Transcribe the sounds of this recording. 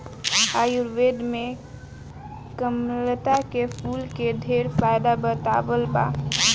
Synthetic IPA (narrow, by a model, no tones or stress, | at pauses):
ajuɾʋed̪me | kəmlət̪akepʰulked̪ʱeɾpʰajd̪abət̪a̰bəlba̰